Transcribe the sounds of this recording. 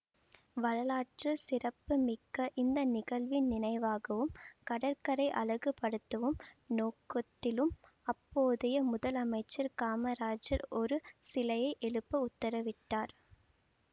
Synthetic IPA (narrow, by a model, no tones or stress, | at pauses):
ʋɐɻɐlaːʈrɯsɪrɐpːɯmɪkːɐʔɪnd̪ɐnɪɣɐɭʋɪnnɪnɐɪʋaːɣɐʋɯmkɐɽɐɾkɐɾɐɪʔɐlɐɣɯpːɐɽɯt̪ːɐʋɯmnoːkɐt̪ːɪlɯm | ɐpːoːðɐjɐmʊðɐlɐmɐɪt͡ʃːɐɾkaːmɐɾaːd͡ʒɐɾɔɾɯsɪlɐjɐɪʔɛɭɯpːɐʊt̪ːɐɾɐʋɪʈːaːɾ